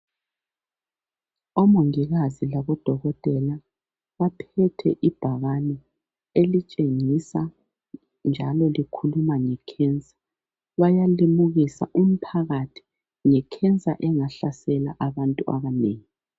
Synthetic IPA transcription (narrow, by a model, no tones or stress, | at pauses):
ɔmuŋiɣazilaβɔd̥ʱɔɣɔtʼɛla | βapʰɛtʰɛʔib̥ʱaɣanɛ | elit͡ʃʼeŋisa | nd͡ʒʱalɔlikʰulumaŋɛkʰɛnt͡sʼḁ | βajalimuɣisa̰ʔum̩pʰaɣatʰi̥ | ŋɛkʰɛnt͡sʼa̰ʔɛŋaɬasɛla̰ʔaβantʼua̰βaneːŋi